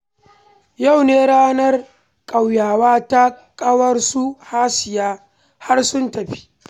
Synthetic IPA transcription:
ja˦˨wneː˦ɽaː˦nɐ˦r | kʼɐ˨wjaː˨waː˦ta˦kʼɐ˦wɐ˦rsu˦haː˦sɪ˨jaː˦ | ha˦rsʊ˦ntɐ˨ɸi̥˦

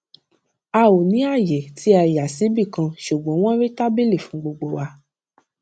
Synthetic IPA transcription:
a˧wo˨nĩ˨˦a˦˨jɛ˨tʰi˨˦a˧ja˨si˨˦bi˦˨kã˧ʃu˨ɡ͡bɔ̃˨˦w̃ɔ̃˦ɾe˦ta˦be˦˨le˦˨fũ˨˦ɡ͡bo˧ɡ͡bo˧wa˧

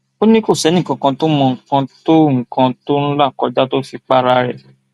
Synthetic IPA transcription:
o˦nĩ˦ko˦˨sɛ˨˦nĩ˦˨kã˧kã˧to˦mɔ̃˧ŋ̩˨kã˧to˦ŋ̩˨kã˧to˦ɾ̃ũ˦la˦˨kɔ˧d͡ʒa˦to˦fi˧k͡pa˦ɾa˧ɾɛ˦˨

